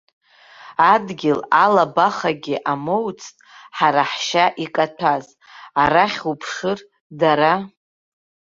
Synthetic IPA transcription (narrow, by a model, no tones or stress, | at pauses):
adɡʲɪlalabaχaɡʲɪʔamowt͡sʰtʼħaɾaħʃaʔikʼatʷʰaz | aɾaχʲupʰʂɨr | daɾa